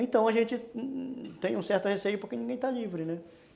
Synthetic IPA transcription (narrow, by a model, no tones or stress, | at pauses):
ẽt̪ɐ̃w̃ɐʒẽnt͡ʃɪ | t̪ẽj̃ũsɛɾt̪ʊhesejʊpoɾkenĩɡẽj̃t̪alivɾɪnɛ